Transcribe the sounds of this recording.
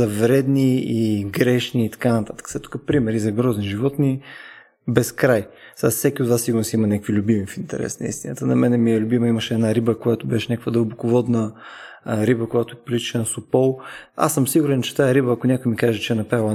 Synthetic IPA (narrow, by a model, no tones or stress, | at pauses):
zɐvɾɛd̪niiɡɾɛʃniːt̪ɐ̥kanɐt̪at̪ə̥kə̥sɛt̪ːu̥kəpɾimɛɾizɐɡɾɔzniʒivɔt̪ni | bɛskɾaj | sassɛkʲiod̪vasiɡʊɾnosimɐnʲakəkvilʲʊbimifint̪ɛ̰ɾɛ̰snɐ̰ḭst̪inə̰t̪ənɐmɛnɛmiɛlʲʊbiməiməʃɛːd̪naɾibəkojat̪obɛʃɛnʲakəkvəd̪əlˠbokovɔd̪nə | ɾibəkojat̪oɛpilit͡ʃiʃɛnɐsopɔlˠa̰sːəmsiɡuɾɛnt͡ʃɛ̥t̪aɛɾibəːkonʲakʊjmikaʒɛt͡ʃɛɛnɐpɾalˠə